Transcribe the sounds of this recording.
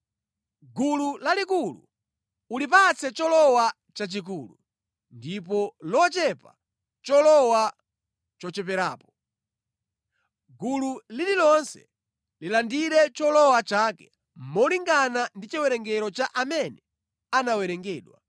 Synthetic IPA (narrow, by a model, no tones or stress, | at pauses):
ɡululalikulṵ | ulip̬at͡sɛt͡ʃɔlɔwa | t͡ʃat͡ʃik̬uːlu | ndip̬ɔlɔt͡ʃɛpa̰ | t͡ʃɔlɔwa | t͡ʃɔt͡ʃɛp̬ɛɾa̰ːpɔ | ɡululililɔnsɛ̥̰ | lilandiɾɛt͡ʃɔlɔwat͡ʃakɛ | m̩mɔliŋɡanandit͡ʃiwɛɾɛŋɡɛɾɔt͡ʃaʔamɛnɛ | anawɛɾɛŋɡɛːɗwa̰